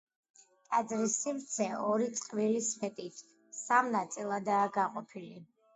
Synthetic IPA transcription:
t̪ʼad̪zɾisːimɾt̪sʰɛɔɾit̪sʼqʼvilisfɛt̪ʼit̪ʰ | samnat̪sʼilˠad̪aːɡaqʼɔpʰili

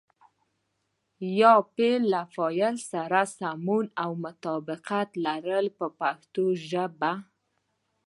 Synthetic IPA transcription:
jɑpelːafɑjəlsaɾasamunawmʊt̪ɑbɪqat̪laɾəlpəpaxt̪oʒəba

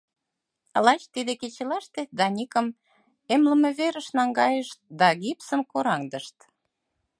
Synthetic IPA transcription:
lɑt͡ɕt̪id̪eket͡ɕelɑʃt̪ed̪ɑnʲikə̆m | emləmeβeɾəʃnɑŋɡɑjəʃt̪̚d̪ɑɣipsəmkoɾɑŋd̪əʃt̪

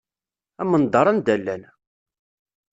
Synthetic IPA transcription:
æmənd̪ˤɑɾˤɑnd̪ælːæn

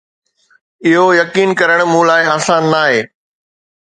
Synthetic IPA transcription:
ɪɦojɐkiːnkɐɾəɽ̃mũːlaːɪaːsãːnːaːɦeː

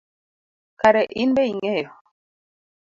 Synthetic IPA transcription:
kaɾɛʔinbɛiŋɛ

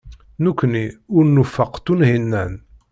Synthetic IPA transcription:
nukʷːniʊɾnufəqt̪ːunhinːæn

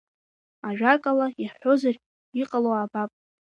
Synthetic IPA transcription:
aʒᶣakʼalaiħo̞zar | iqʼaloabapʼ

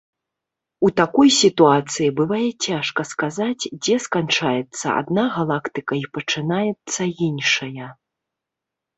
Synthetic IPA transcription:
ut̪akɔjsʲit̪uat̪sɨjibɨvajɛt͡sʲaʂkɐskazad͡zʲd͡zʲɛskant͡ʂajɛt̪sːɐ̰a̰d̪naɣalˠakt̪ɨkɐipɐt͡ʂɨnajɛt̪sːɐinʂɐjɐ

